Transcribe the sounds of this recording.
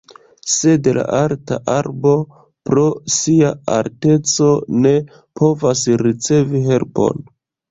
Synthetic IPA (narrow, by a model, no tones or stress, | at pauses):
se̞dla̰ʔaɾtaʔaɾbo̞ | pɾo̞siaa̰lte̞t͡so̞ne̞ | pʰo̞vasɾit͡se̞viɦe̞lpo̞̰n